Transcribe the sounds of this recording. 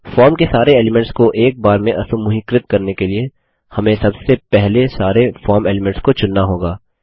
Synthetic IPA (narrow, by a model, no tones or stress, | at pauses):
fɔːɾmkesaːɾeɛːlɪmɛ̃ɳʈskoʔeːk̚baːɾmẽʔɐsʊmʊɦikɾɪt̪̚kɐɾnekelie | hɐmẽsɐbsepɛɦlesaːɾefɔːɾmeːlɪmɛ̃ɳʈskot͡ʃʊnːaɦoːɡaː